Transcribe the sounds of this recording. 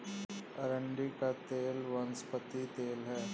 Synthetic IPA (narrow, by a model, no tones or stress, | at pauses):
ɐɾə̃ɳɖikat̪eːlʋɐnspət̪it̪eːlɦɛː